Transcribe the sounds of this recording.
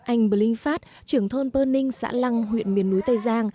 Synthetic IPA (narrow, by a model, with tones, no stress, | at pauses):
ʔa˧jŋ̟ɓə˨˧˩lï˧ŋ̟faː˦˥t̚t͡ɕɨ˧˩əŋt̪ʰo˧npəː˧nːï˧ŋ̟sa̰ː˧˥la˧ŋɦwḭ˧˨ənmi˨˩ənːu˨˦jt̪ə˧˩jzaː˧ŋ